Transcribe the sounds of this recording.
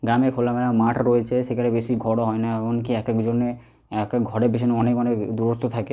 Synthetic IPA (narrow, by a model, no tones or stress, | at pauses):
ɡɾamekʰolameɾamaʈʰɾoet͡ɕʰeʃekʰanebeʃiɡʱɔɽoɦɔenaeboŋkiɛkekd͡ʑonːe | ɛkekɡʱɔɽebeʃ̬ɔneɔnekmaned̪uɾot̪ːot̪ʰake